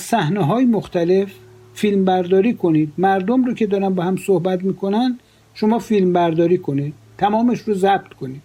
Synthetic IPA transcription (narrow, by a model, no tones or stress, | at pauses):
zsæhneɦɒːjemoxt̪æle̞f | fiːlmbæɾd̪ɒːɾiːkʰo̞niːd̪̚mæɾd̪omɾoːcʰe̞d̪ɒːɾænbɒhæmsohbæt̪miːkʰo̞nænd̪ | ʃomɒːfilmbæɾd̪ɒːɾiːkʰo̞niːd̪̥̚ | t̪ʰːæmɒːmeʃrozæb̥̚t̪kʰo̞niːd̥̪